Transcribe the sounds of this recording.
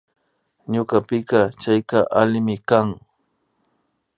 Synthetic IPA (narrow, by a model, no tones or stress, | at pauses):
ɲokapɪkɑt͡ʃajkaʔalɪmɪkaŋ